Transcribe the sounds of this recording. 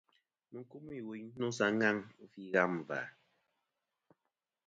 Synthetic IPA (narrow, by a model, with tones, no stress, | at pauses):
mɨ˨˦ku˦m˦i˨wi˨ɲ˦no˦sa˨˦ŋa˦ŋ̩˦fi˦ɣa˦˨m˨va̰˨